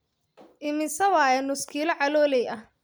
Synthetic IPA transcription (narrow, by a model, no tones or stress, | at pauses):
ʔɪmɪsɐwaːjɛnʊskʰiːlɐʕɑlɔːlɛjʔɐh